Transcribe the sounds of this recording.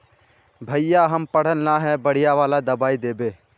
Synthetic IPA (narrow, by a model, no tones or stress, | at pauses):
bʱəjjaɦɐmpəɽ̤ənnaɦɛbɐɽ̤ɪjaʋaːlad̪ɐbaːid̪eːbeː